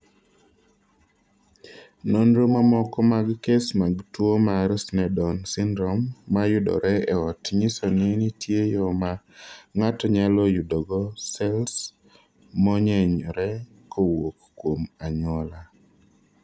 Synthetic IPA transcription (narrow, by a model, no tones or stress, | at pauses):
nonɾomamɔkɔmaɡkesmaɡtwomaɾsnɛdɔnsɪndɾɔmːajʊdɔ̰ɾɛɛɔtɲisɔnɪnɪtʰjejɔma | ŋatɔɲalɔjʊdoɡɔsɛls | mɔɲeɲɾɛ | kʰowokkːwomaɲɔla